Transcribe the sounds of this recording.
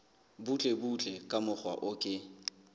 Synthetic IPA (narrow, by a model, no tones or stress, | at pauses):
but͡ɬʼebut͡ɬʼɛkʼamʊχwa̰ʔʊkʼɪ